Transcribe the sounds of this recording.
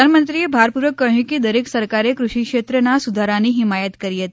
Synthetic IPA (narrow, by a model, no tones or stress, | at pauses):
anmənt̪ɾiebʱaɾpuɾʋəkːəɦjũked̪əɾeksəɾkaɾekɾuʃikʃet̪ɾənasud̪ʱaɾaniɦɪmajət̪kəɾiɦət̪i